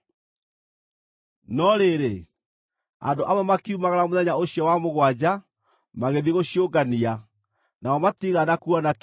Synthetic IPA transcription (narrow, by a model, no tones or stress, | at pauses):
nɔɾeɾe | a̰ndoʔamamakiumaɣaɾamoðɛɲaoɕiɔwamoɣwad͡ʑa | maɣeðiɣoɕjoɡania | naɔmatiɣanakuɔnak